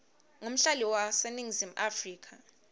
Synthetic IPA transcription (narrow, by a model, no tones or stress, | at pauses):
ŋom̩ɬaliwaseniŋzim̩ʔafriːkʰa